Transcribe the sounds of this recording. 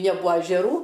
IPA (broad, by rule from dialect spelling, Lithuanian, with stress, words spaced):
nʲɛˈbʊɐ ɐʒʲɛˈruː